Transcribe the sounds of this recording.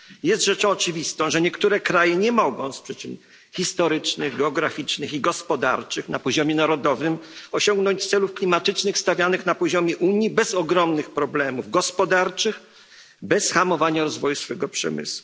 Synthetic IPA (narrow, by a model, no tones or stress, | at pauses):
jɛst̪ʐɛt͡ʂɔ̃w̃ɔt͡ʂɘvʲist̪ɔ̃w̃ʐɛɲɛkt̪uɾɛkɾajɛɲɛmɔɡɔ̃w̃spʂɛt͡ɕɛm | xʲist̪ɔɾɘt͡ʂnɘɣɡɛɔɡɾafʲit͡ʂnɘxiɡɔspɔd̪a̰ɾt͡ʂɘxnapɔʑɔmʲjɛnaɾɔd̪ɔvɘmɔɕɔŋɡnɔɲt͡ɕt̪sɛlufklʲimat̪ɘt͡ʂnɘxst̪avʲjanɘxnapɔʑɔmʲjɛʔuɲjibɛzɔɡɾɔmnɘxpɾɔblɛmuvɡɔspɔd̪aɾt͡ʂɘx | bɛsxamɔvaɲaɾɔzvɔjusfɛɡɔpʂɛ̰mɘ̰swu